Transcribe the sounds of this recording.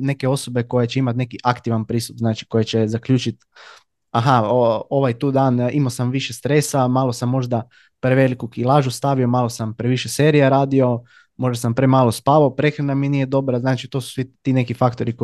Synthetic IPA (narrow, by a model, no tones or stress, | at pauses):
ne̞ke̞o̞so̞be̞ko̞jet͡ɕeimat̪ʲne̞kiʔakt̪iʋanpɾiːst̪upznaːt͡ʃi̥ko̞jet͡ɕezakʎʲuːt͡ʃit̪ | aɦaoo̞ʋajt̪uːd̪aːnimasamʋiʃest̪ɾe̞samaːlˠo̞samːo̞ʒd̪a | pɾeʋe̞likukilˠaːʒust̪aʋio̞maːlo̞sampɾeʋiʃeseːɾijaɾaːd̪io̞ | mo̞ʒd̪asampɾemaːlˠo̞spaʋaopɾe̞xɾanaminije̞d̪o̞bɾaznaːt͡ʃit̪o̞ːsu̥sʋit̪ine̞kifakt̪o̞ɾiko